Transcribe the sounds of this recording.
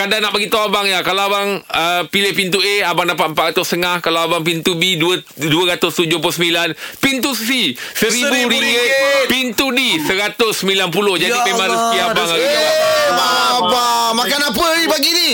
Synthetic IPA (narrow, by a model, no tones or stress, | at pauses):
kadanːaʔbaɡit̪aabaŋjakalaabaŋəpilɪhpint̪ueabaŋdapat̪̚m̩pat̪ʔ̚ɾat̪ʊst̪əŋahkalaabaŋp̬int̪ubiduə | duəɾat̪ʊst̪ud͡ʒʊhpʊsəmilanpint̪ussisəɾibudipint̪udisəɾat̪ʊsːəmilanpulʊhd͡ʒaddimemãsiabaŋaiaaabamakanapəibaɡini